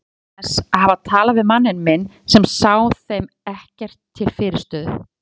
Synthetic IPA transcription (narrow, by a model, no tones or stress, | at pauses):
sahavat̪ʰaːlavɪðmanːɪnmɪnː | sɛmsaːwθejm | ɛhcɛr̥t̪ʰːɪlfɪːɾɪɾ̥st̪œːð̰